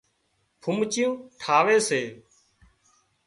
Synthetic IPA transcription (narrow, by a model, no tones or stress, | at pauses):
pʰʊmt͡ʃjũːʈʰaːʋeːseː